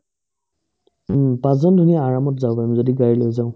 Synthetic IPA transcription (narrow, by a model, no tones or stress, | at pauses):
pazɔndʱunijaːɹamɔtzaʊpaimzodiɡaɹilojzaʊ̃